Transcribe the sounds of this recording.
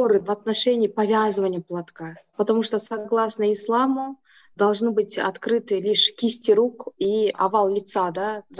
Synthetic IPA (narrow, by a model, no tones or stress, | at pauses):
oɾɨvɐt̪nɐʂɛnʲɪːpɐvʲazɨvənʲɪjəplˠɐt̪kapət̪ɐmuʂt̪osɐɡlˠasnəɪslˠamʊ | d̪ɐlˠʐnɨbɨtʲɐ̰t̪kɾɨt̪ɨlʲiʂkʲɪsʲtʲɪɾukiɐ̰valˠlʲɪt̪sad̪az